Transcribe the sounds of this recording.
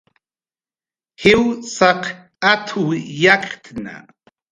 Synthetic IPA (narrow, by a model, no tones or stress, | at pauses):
hɪwsɑq | at̪ʰujakt̪ʰna̰